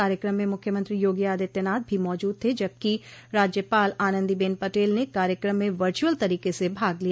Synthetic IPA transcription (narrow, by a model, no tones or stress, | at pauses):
aːɾjəkɾəmːẽmʊkʰjəmə̃nt̪ɾijoːɡijaːd̪et̪ənaːd̪̚bʱimɔːd͡ʒuːd̪̚t̪ʰed͡ʒɐb̚kiɾaːd͡ʒjəpaːlaːnə̃nd̪ibeːnpɐʈeːlnekaːɾjəkɾəmːẽʋəɾt͡ʃuəlt̪ɐɾiːkesebʱaːɡlia